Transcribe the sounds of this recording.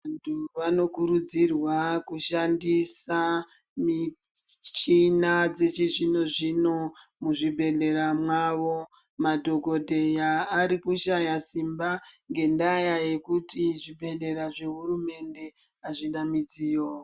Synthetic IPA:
antʰuʋano̞kuɾud͡zirwakuʃandisa | mi | t͡ʃinad͡ze̞t͡ʃeʐino̞ʐino̞muʐibʱe̞ɮe̞ɾamwaʋo̞ | madʱo̞ɡo̞dʱe̞jaːɾikuʃajasimbaŋɡe̞ndajaje̞kutiʐibʱe̞le̞ɾaʐe̞ɦuɾume̞nde̞ | aʐindamid͡zijoː

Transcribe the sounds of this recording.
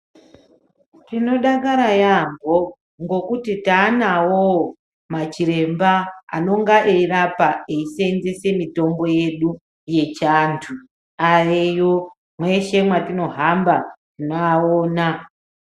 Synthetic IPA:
tino̞ɗakaɾajamɡo | ŋɡo̞kutitaːnawo | mat͡ʃiɾe̞mbaa̰no̞ŋɡaʔeirapaeisenzese̞mito̞mbo̞je̞ɗu | je̞t͡ʃantʰu | aejo | mweʃe̞mwatino̞ɦambatinoaoːna

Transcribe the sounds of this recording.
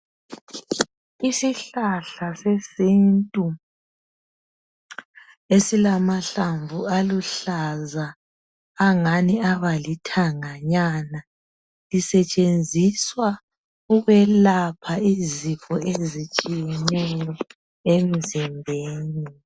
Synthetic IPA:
isiɬaɬasesintʼu | esilamaɬaɱvualuɬazaː | ŋaniaβalitʰaŋaɲana | lisɛt͡ʃʼend͡zʱiswa | uɣɛlapʰaizifʰʼɔezit͡ʃʼijɛnɛjɔ | em̩zɛmbʱeːni

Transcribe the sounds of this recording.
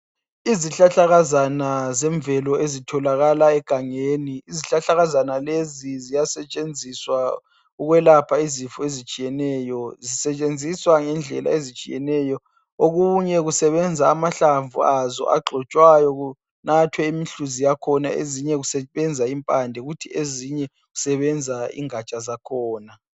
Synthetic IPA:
iziɬaɬaɣazanazɛɱvɛlɔezitʰɔlaɣalaɛɡ̥ʱaŋeːniiziɬaɬaɣazanalezizijasɛt͡ʃʼend͡zʱiswa | uɣwɛlapʰaizifɔezit͡ʃʼijɛnɛːjɔzisɛt͡ʃʼend͡zʱiswaŋɛnd͡ɮʱɛ̰la̰ezit͡ʃʼḭjɛ̰nɛjɔ | oɣuɲɛɣusɛβɛnd͡zʱaːmaɬaɱvṵazɔ̰ʔa̰ɡ͡ǃʱɔt͡ʃʼwajɔu | natʰwɛimiɬuzijakʰɔnaḛziɲɛɣusɛɓɛnd͡zʱaimpʼandʱɛɣutʰieziɲɛ | ɣusɛβɛnd͡zʱaḭŋat͡ʃʼazakʰɔːna

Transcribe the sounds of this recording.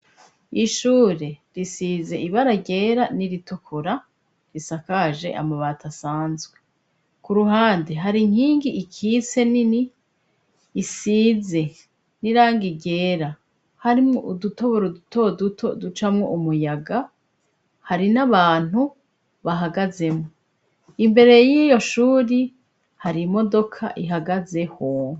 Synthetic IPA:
iʃuːɾe̞ɾisize̞iβaɾaɟe̞ːɾaniɾitʰokʰoɾa | ɾisakaʒe̞̰ʔa̰maβatʰasaːnzɡwe | kuɾuɦaːndeɦaɾiŋ̥hiːŋɡiʔːkʰise̞nini | siːze̞ | niɾaːŋɡiɡe̞ːɾa | haɾimoʔuduto̞βoɾodutodutʰodut͡ʃamŋo̞ʔumujaɡa | haɾinaβaːn̥hu | βaɦaɡaze̞mŋo | imbe̞ɾe̞jijo̞ʃuːɾi | haɾimo̞do̞kʰa̰ʔiɦaɡaze̞ho

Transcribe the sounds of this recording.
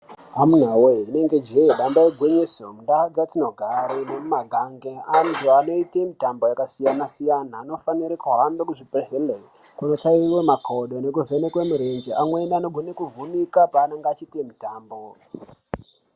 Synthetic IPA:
amun̤aweine̞ŋɡe̞d͡ʒeeɗambaeɡʱweɲesomunɗad͡zatino̞ɡʱaɾenemumaɡʱaŋɡeaniʐoano̞itemitambo̞jakasijanasijanaːno̞faniɾekuɦambekuʐipeɦele | kuno̞t͡ʃaiwemakʰoɗo̞ne̞kuve̞nekwemuɾend͡ʒeaŋwenianoɡʱonekuvunikapaːnaŋɡeat͡ʃitimitaːmbo

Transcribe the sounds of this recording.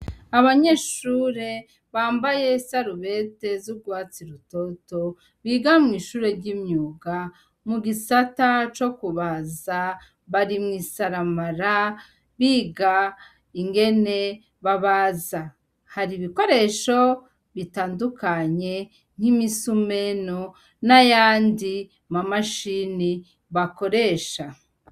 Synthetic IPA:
aβaɲe̞ʃuːɾe̞ | βaːmbaje̞saɾuβe̞te̞zuɡwaːt͡siɾuto̞to̞ | βiɡamŋiːʃuːɾe̞ɾɟiːmɲuːɡa | muɡisatat͡ʃo̞kuβaza | βaɾimŋiːsaɾamaɾa | βiːɡa | iŋɡe̞ne̞ | βaβaza | haɾiβiko̞ɾe̞ʃo̞ | βitaːndukaɲe̞ | ŋ̥himisume̞no | najaːndi | mamaʃini | βako̞ɾe̞ːʃa

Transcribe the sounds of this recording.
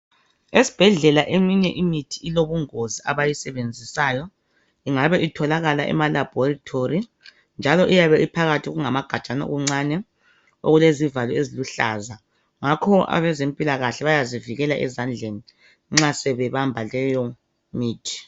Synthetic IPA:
esi̥b̥ʱɛɮɛlaʔemiɲɛʔimitʰi̥iloβuŋoziaβajisɛβend͡zʱisaːjɔ | iŋaβɛʔitʰɔlaɣala̰ʔɛ̰malab̥ʱɔritʰori | nd͡ʒʱalɔʔijaβɛipʰaɣatʰiɣuŋamaɡ̥ʱat͡ʃʼana̰ɣuŋ͡ǀanɛ | o̰ɣulezivalɔeziluɬa̰za | ŋakʰɔa̰βɛzempʼilaɣaɬɛβajaziviɣɛlaʔɛzand͡ɮʱeni | ŋ͡ǁasɛβɛβambʱalɛjɔ | miːtʰi̥

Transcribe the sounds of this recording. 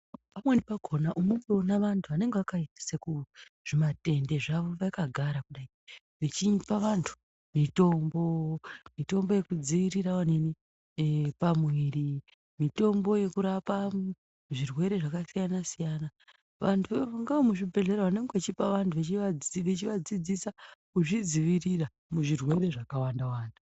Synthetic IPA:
pamwenipaɡʱo̞naʔumumbeonaʋantʰuane̞ŋɡeakaitḁsekuʐ̥imate̞nde̞ʐaʋo̞ʋaikaɡʱaɾakuɗai | ʋet͡ʃipaʋantʰu̥ | mito̞mbo̞mito̞mbo̞je̞kud͡ziiɾirawane̞ni | pamwiːri | mito̞mbo̞je̞kuɾapa | ʐirwe̞ɾe̞ʐakasijanasijana | ʋantʰuʋaŋɡaomuʐibʱe̞ɮe̞ɾaʋane̞ŋɡet͡ʃipaʋantʰuʋet͡ʃiaʋet͡ʃiʋad͡zid͡zisa | uʐid͡ziʋirira | muʐirwe̞ɾe̞ʐakawandawaːntu̥

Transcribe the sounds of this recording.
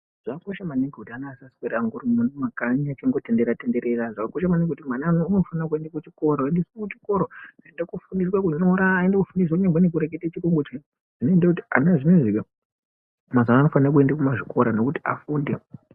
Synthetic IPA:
ʐ̥akːkoʃamaneŋɡekutianaːsaskeɾaŋɡurimunumakaɲat͡ʃeŋɡo̞te̞nde̞ɾate̞nde̞ɾe̞raʐakakoʃamaneŋɡekutimananoːno̞fanakuendakut͡ʃiko̞ɾondiswakut͡ʃi̥ko̞ɾoaendakufundiswakuɲoɾaːendakufundis̬wakuɲaɡwenek̬uɾek̬etat͡ʃikoŋɡot͡ʃe | ʐ̥inoendakutia̰naʐinoʐiʋa | mazanaːno̞fanirak̬ue̞ndakumaʐiko̞ɾano̞kuti̥afuːnde

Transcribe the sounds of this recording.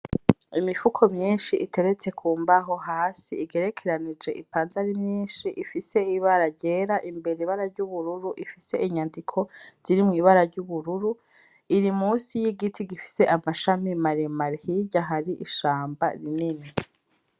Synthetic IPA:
imifukʰo̞mɲiːnʃiʔitʰe̞ɾet͡se̞kʰuːmbaɦo̞ɦaːsiiɡe̞ɾe̞kʰe̞ɾanid͡ʒe̞ʔipaːnzaɾimɲiːnʃiʔifise̞iβaɾaɟe̞ːɾaʔimbe̞ɾiβaɾaɾɟuβuɾuɾuʔifise̞ʔiɲandikʰo̞z̥iɾimŋiːβaɾaɾɟuβuɾuɾu | iɾimuːsijiɡitʰiɡifi̥se̞ʔamaʃamimaɾemaɾhiːɟaɦaɾiʔiʃaːmba̰ɾinini

